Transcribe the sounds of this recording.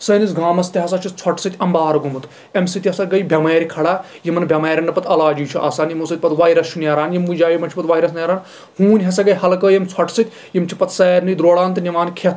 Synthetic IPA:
sɐːnis̬ɡaːmɐst̪iɦɐs̬ɐt͡ʃʰit͡sʰɐʈsɨt̪ʲɐmbaːɾɡumɨt̪ | emsɨt̪ʲɐsɐɡɐjbʱʲɐmeːɾʲkʰɐɽaː | jimɐnbʱʲɐmeːɾʲɐnːɨpɐt̪ʰɐlaːd͡ʒiːt͡ʃʰuʔa̰ːsaːnjimusɐt̪ʲpɐt̪ʋaːjɾɐst͡ʃʰunʲɐɾaːnjimud͡ʒaːjimɐnt͡ʃʰipɐt̪ʋaːjɾɐsnjɾaːn | hũːnʲɦɐsɐɡɐjhɐlkəːjɐmt͡sʰɐʈʰsɨt̪ʲ | jimt͡ʃʰipɐt̪ʰsɐːɾʲnɨjd̪ɾoːɽaːnt̪ɨnʲɐʋaːnkʰet̪

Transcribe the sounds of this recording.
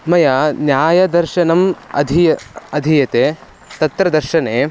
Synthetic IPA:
mɐjɐnjaːjɐd̪ɐɾʃɐnɐmɐ̰d̪ʱijɐɐd̪ʱijɐt̪e | t̪ɐt̪ɾɐd̪ɐɾʃɐneː

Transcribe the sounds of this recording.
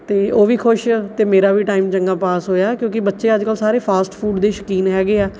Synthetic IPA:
t̪eːoːʋiːkʰʊʃt̪eːmeːɾaːʋiːʈaːɪmt͡ʃəŋɡaːpaːsɦoːjaːkjõːkɪbətːʃeːəd͡ʒkəlsaːɾeːpʰaːsʈpʰuːɖd̪eːʃəkiːnɦɛːɡeːɛː

